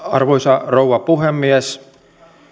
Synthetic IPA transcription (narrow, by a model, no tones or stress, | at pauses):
ɑ̰rʋoisɑrouʋɑpuɦemːies